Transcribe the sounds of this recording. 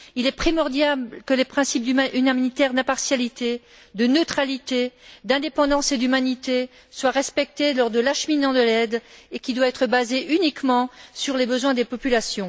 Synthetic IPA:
ilɛpχimɔʁd̪jablkəlepχɛ̃sip̚d̪yamnit̪ɛʁd̪ɛ̃paʁsjalit̪e | d̪ənøt̪χalit̪ed̪ɛ̃d̪epɑ̃d̪ɑ̃sed̪ymanit̪e | swaʁɛspɛk̚t̪elɔʁd̪əlaʃəminɑ̃d̪əlɛd̪ekʲid̪waɛt̪χəbazeʔynikmɑ̃syʁlebəzwɛ̃d̪epɔpylasjɔ̃

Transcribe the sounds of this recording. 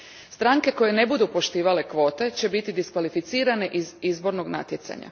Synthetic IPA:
st̪ɾaŋke̞ko̞je̞ne̞bud̪upo̞ʃt̪iːʋale̞kʋo̞ːt̪e̞t͡ɕe̞bit̪id̪iskʋalifit̪siːɾane̞ʔizizbo̞ɾnoɡna̰t̪jet̪sa̰ɲa̰

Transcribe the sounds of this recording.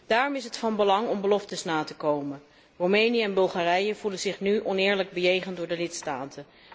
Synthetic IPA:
d̥aːrɔmɪsɦətfɑnbəlɑŋɔmbəlɔftəsnaːtəkowmə | rowmejnijəɛnbɵlˠχaːrɛjəv̥ulənzɪχnyʔɔnɪːɹləɡ̚bəjejχəndʊːɹdəlɪtstaːtə

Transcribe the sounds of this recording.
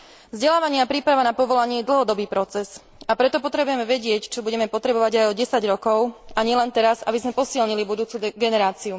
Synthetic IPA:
vzɟɛlaːʋaɲɪapɾiːpɾaʋanapɔʋɔlaɲɪɛɛd̪l̩ˠɦɔd̪ɔbiːpɾɔt͡sɛs | apɾɛt̪ɔpɔt̪ɾɛbujɛmɛʋɛɟɪɛct͡ʃɔbuɟɛmɛpɔt̪ɾɛbɔʋaɟajɔɟɛsaɟɾɔkɔʊaɲɪɛlɛnt̪ɛɾazabizmɛpɔsilɲilibud̪uːt͡suɡɛnɛɾaːt͡siu

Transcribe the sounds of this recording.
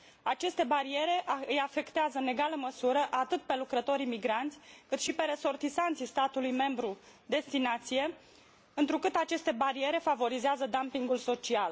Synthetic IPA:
at͡ʃe̞st̪e̞baɾie̞ɾe̞ʔɨjafe̞kt̪eazəɨne̞ɡaləməsuɾəʔat̪ɨt̪pe̞lukɾət̪o̞ɾimiɡɾant̪sʲkɨt̪ʃipe̞ɾeso̞rt̪isant̪sist̪at̪ulujme̞mbɾu | d̪e̞st̪inat̪sije̞ | ɨnt̪ɾukɨt̪at͡ʃe̞st̪e̞baɾie̞ɾe̞favo̞ɾizeazəd̪ampiŋɡulso̞t͡ʃial

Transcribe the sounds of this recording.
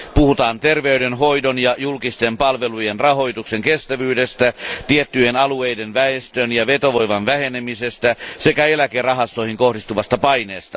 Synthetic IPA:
puhut̪ɑːnt̪erʋeydenɦo̞idonjɑjulkist̪empɑlʋelujenrɑɦo̞jt̪ukseŋkest̪æʋyːdest̪æt̪iet̪ːyjenɑluejdenʋæest̪øːnjɑʋet̪oʋojʋɑnʋæhenemisest̪æse̞kæelækerɑɦɑst̪oihiŋkohdist̪uʋɑst̪ɑpɑineːst̪ɑ

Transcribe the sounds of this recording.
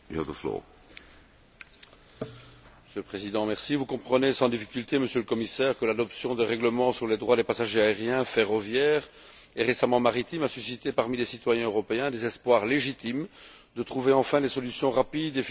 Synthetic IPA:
juhavðəflɔ̰ | məsjølpχezid̪ɑ̃mɛʁsivukɔ̃pχənesɑ̃d̪ifikʲylt̪eməsjøləkɔmisɛːʁkəlad̪ɔpsjɔ̃d̪əʁɛɡləmɑ̃syʁled̪ʁwad̪epasaʒeaeʁjɛ̃feʁɔvjɛːʁ | ɛʁesamɑ̃maʁit̪imasysit̪epaʁmilesit̪wajɛ̃øʁɔpeɛ̃d̪ezɛspwaʁleʒit̪im | d̪ət̪χuveɑ̃fɛ̃d̪esɔlysjɔ̃ʁapid̪ef

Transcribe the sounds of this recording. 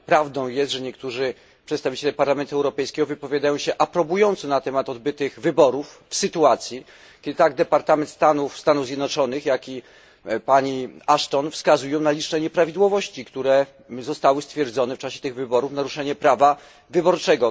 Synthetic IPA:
pɾavd̪ɔ̃w̃jɛst̪ʐɛɲɛkt̪uʐɘ | pʂɛt̪st̪avʲit͡ɕɛlɛpaɾlamɛnt̪uɛwɾɔpɛjskʲɛɡɔvɘpɔvʲjad̪ajɔ̃w̃ɕɛʔapɾɔbujɔnt̪sɔnat̪ɛmat̪ɔd̪bɘt̪ɘɣvɘbɔɾuffsɘt̪uat̪sʲji | kʲɛd̪ɘt̪aɡ̚d̪ɛpaɾt̪amɛnt̪st̪anufst̪anuvzʲjɛd̪nɔt͡ʂɔnɘxjakʲi | paɲiaʂt̪ɔnfskazujɔ̃w̃nalʲit͡ʂnɛɲɛpɾavʲid̪wɔvɔɕt͡ɕikt̪uɾɛ | zɔst̪awɘst̪fʲjɛɾd̪zɔnɛft͡ʂaɕɛ̥t̪ɘɣvɘbɔɾufnaɾuʂɛɲɛpɾava | vɘbɔɾt͡ʂɛɡɔ

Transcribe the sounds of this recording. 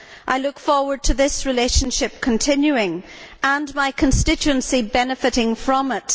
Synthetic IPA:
ʔaɪlˠʊkfɔɹwə˞d̚tʰɨðɪsɹɨleʃə̃n̩ʃɪp̚kʰə̃ntʰɪ̃njʉɪ̃ŋə̃nmaɪkʰə̃n̩stɪt͡ʃʉə̃nsibɛnɨfɨɾɪ̃ŋfɹə̃mɪt

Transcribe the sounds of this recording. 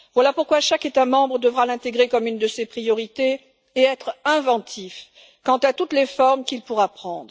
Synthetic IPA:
vwalapuʁkwaʃaket̪amɑ̃bʁəd̪əvʁalɛ̃t̪eɡʁekɔmynd̪əsepχijɔʁit̪e | eɛt̪χɛ̃vɑ̃t̪ʰif | kɑ̃t̪at̪ut̪lefɔʁmkʲilpuʁapχɑ̃d̪ʁə

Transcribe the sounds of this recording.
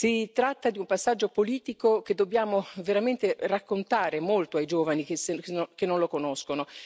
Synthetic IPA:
sit̪ɾat̪ːad̪iumpasːad͡ʒːopoliːt̪ikok̟ed̪ːobːjaːmoveɾament̪erakːont̪aːɾemolt̪oajd͡ʒoːvanikesokenːonlokonoskono

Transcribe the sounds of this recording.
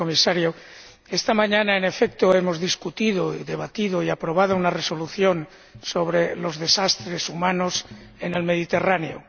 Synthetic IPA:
omisaɾjo | est̪amãɲãnaene̞fek̚t̪oemo̞zðiskut̪iðoiðe̞βat̪iðoiapɾo̞β̞að̞ounareso̞luθjo̞n | so̞β̞ɾelo̞zðe̞sast̪ɾe̞sumãnosene̞lme̞ðit̪e̞raneo

